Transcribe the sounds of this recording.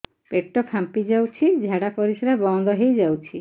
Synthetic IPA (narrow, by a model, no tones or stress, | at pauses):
peʈːɔpʰampid͡ʒawt͡ʃʰid͡ʒʱaɽapɔɾisɔɾabɔŋd̪ɔɦejd͡ʒawt͡ʃʰi